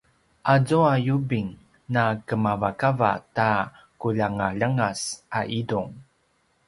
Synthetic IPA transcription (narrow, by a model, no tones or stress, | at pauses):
ʔazuajubiŋ | nakəmavakava̰ta | kuʎaŋaʎəŋasʔaʔiduŋ